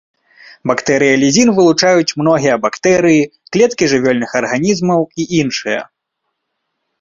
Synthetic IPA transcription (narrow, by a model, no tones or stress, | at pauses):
bakt̪ɛɾɨjɐlʲizʲinvɨlˠut͡ʂajut͡sʲmn̪ɔɣʲijɐbakt̪ɛɾɨjiklʲɛt̪kʲiʐɨvʲɔlʲnɨxɐrɣanʲizmɐwiʔinʂɨjɐ̰